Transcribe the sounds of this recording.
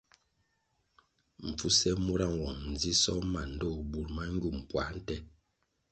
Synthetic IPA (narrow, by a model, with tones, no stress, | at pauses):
m̩˨fu˦sɛ˦mu˦ɾa˦˨ŋ˨wɔ˨ŋn̩˨d͡zi˦sɔ˦ma˨n̩˨dɔ˦˨bu˨ɾma˦ŋ˦ɡu˦˨m˨pwa˨˦n̩˦tɛ˦